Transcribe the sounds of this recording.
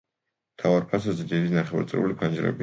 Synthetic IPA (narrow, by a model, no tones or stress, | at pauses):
mt̪ʰavaɾpʰas̬azɛd̪id̪inaχɛva̰ɾt̪ʼɾɛ̰ulipʰand͡ʒɾɛ̰bi